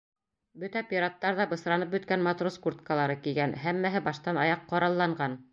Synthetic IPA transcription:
bɵt̪æpʲiɾat̪ːɑɾðɑbɤ̆sɾɑnɤp̚bɵ̆t̪̚kænmɑt̪roskurt̪̚kalˠɑɾɤkilɡænɦæmːæɦɘbɑʃt̪ɑnɑjɑqːɑɾɑlˠːɑɴɢɑn

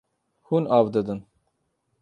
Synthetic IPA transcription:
hunɑːvd̪əd̪ɨn

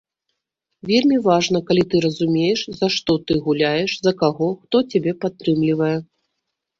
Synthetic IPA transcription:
vʲelʲmʲivaʐnɐkalʲit̪ɨɾɐzumʲejɛʂzaʂt̪ɔt̪ɨɣulʲajɛʂzɐkaɣɔxt̪ɔt͡sʲabʲɛpat̪ːɾɨmlʲivɐjɛ

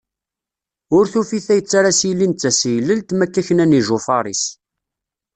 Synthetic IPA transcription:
ʊɾθufiθæjət͡sːaɾasijlːint̪t͡sːæsijləlt̪mækːæçənæniʒofɑɾˤis

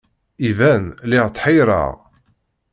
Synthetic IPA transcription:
ivænlɪʁt̪ːħijɾə̰ʁ

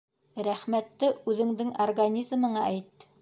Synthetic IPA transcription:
ɾæχmæt̪ːɘʉðɘ̆ŋd̪ɘŋɐrɡanʲizmɤ̆ɴɑæjt̪ː

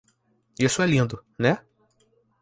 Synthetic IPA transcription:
isʊɛlĩnd̪ʊnɛ

